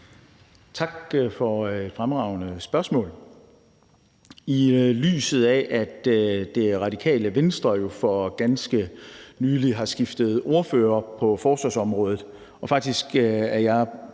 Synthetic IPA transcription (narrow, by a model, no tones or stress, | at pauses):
t͡sʰɑ̈ɡ̥fɒ̽e̝d̥fʁamʁɑ̈ʊnəsb̥ɶɐsmɔ̰̽ːl | ily̰ːsð̞̩ˠɛʔæd̥d̥e̝ʁɑ̈dikʰɛ̰ːləʋensd̥ʁɐjo̝fɒ̽ɡ̥ænsɡ̥ənyːliɦɑ̈sɡ̥ifd̥əð̞̩ˠo̝ɐføːɐpʰɒ̽fɒːsʋɑsɒ̽mʁɔ̽ːð̞̩ˠ | ʔɒ̽fɑ̈ɡ̥̚d̥isɡ̥æɐjɑ̈ɪ